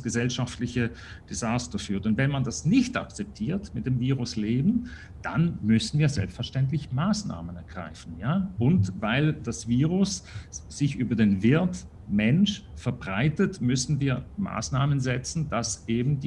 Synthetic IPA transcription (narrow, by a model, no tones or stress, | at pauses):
sɡ̥əzɛlʃaftlɪçə | d̥ezaːstɐfyːɐtʊntvɛnmandasnɪçta̰k̚t͡sɛp̚tʰiːɐtmɪt̚d̥eːmviːʁʊsleːbn̩ | d̥a̰nmʏsn̩viːɐzɛ̰lpstfɛɐʃtɛntlɪçmaːsna̰ːmənɛɐɡ̥ʁa̰ɪfn̩jaːʔʊntvaɪld̥asv̥iːʁʊsz̥ɪçʔyːbɐdeːnvɪɐt | mɛnʃfɛɐbʁaɪtətmʏsn̩viːɐma̰ːsnaːmənzɛt͡sn̩d̥asʔeːbm̩d